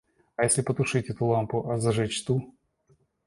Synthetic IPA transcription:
ɐjesʲlʲɪpət̪ʊʂɨtʲɛt̪ʊlˠampʊʔɐzɐʐɛt͡ɕt̪u

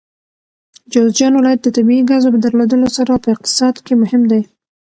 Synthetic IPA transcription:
d͡ʒozd͡ʒɑnwɪlɑjat̪̚d̪ət̪abiiɡazopəd̪əɾlod̪əlosaɾapəɪq̚t̪ɪ̥sɑd̪kemʊhɪmd̪aj

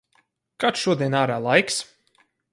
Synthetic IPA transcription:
kat̪ʃuɔd̪iɛnaːɾaːlˠajks

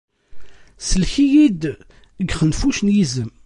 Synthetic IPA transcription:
səlçijid̪ | əɡχənfuʃnjizəm

